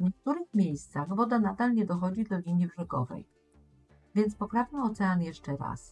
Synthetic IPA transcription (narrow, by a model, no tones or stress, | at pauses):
vɲɛk̚t̪uɾɘxmʲjejst̪saɣvɔd̪anad̪alɲɛd̪ɔxɔd͡ʑid̪lɔlʲiɲibʐɛɡɔ̰vɛ̰j | vʲjɛnt̪spɔpɾavɲɛɔt̪sɛanjɛʂt͡ʂɛɾa̰s